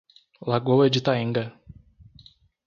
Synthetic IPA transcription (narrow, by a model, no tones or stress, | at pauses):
laɡowɛd͡ʒit̪aĩŋɡɐ